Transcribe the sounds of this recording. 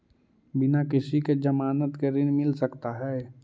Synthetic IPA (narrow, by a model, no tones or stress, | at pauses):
bɪnakɪsiked͡ʒəmaːnət̪keɾɪnmɪlsəkt̪aɦɛː